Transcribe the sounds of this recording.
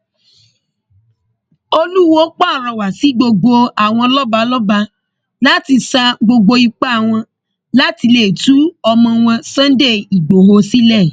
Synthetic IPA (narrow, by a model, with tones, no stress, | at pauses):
o˧lu˦˨wo˦k͡pa˦˨ɾɔ˨wa˨si˨˦ɡ͡bo˧ɡ͡bo˧a˨w̃ɔ̃˧lɔ˦ba˧lɔ˦ba˧ | la˦ti˧sa˧ɡ͡bo˧ɡ͡bo˧i˧k͡pa˦a˦˨w̃ɔ̃˧ | la˦ti˧le˦˨tu˦ɔ˧mɔ̃˧w̃ɔ̃˧sã˦n˦de˦˨i˨ɡ͡bo˨ho˧si˦lɛ˦˨